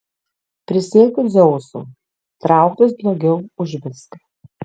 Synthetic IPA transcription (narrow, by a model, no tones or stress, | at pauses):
pʲɾʲɪsʲeːkʲʊzɔʊsṵ | t̪ɾɑˑʊk̚t̪os̬d̪lɐʊɡʲɛʊʊʒʲbʲɪst̪